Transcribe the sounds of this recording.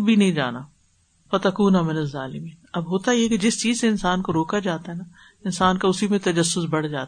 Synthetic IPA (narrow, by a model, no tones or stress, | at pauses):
bʱinɐɦĩd͡ʒa̰ːnaː | fɐt̪ɐkuːnamɪnɐzːaːlɪmiːnɐbɦoːt̪ajeked͡ʒɪst͡ʃiːzseɪnsaːnkoɾoːkad͡ʒaːt̪aɦɛna | ɪnsaːnkaʊsimẽt̪ɐd͡ʒɐsːʊsbɐɽ̤d͡ʒa̰ːt̪